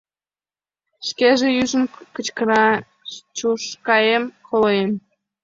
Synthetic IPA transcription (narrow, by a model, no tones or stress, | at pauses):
ʃkeʒejyʒəmkət͡ɕkəɾɑ | t͡ɕuʃkɑjemkolojem